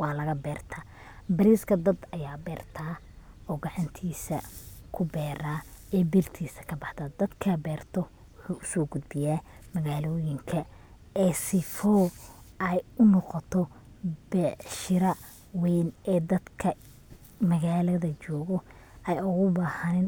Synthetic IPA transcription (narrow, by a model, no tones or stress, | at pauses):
wɑːlɐɣɐbɛːrt̪ʰaː | bɐɾiːskʰɐd̪ɐd̪ɐjaːbɛːrt̪ʰaː | ɔːɡɑʕɑnt̪ʰiːsɐkʰʊbɛːɾaːɛːbirt̪ʰiːsɐ̥kʰɐbɑħd̪ɐd̪ɐd̪kʰɐbɛːrt̪ʰɔ | wʊħuːʔʊsɔːɡʊd̪bɪjaːmɐɣaːlɔːjɪŋkʰɐ | ɛsɪfɔwɛjʊnɔqɔt̪ʰɔ | bɛʃɪɾɐ | wɛːnɛːd̪ɐd̪kʰɐ | mɐɣaːlɐðɐt͡ʃɔːɣɔ | ɛjʊɣʊbaːhɐnɪn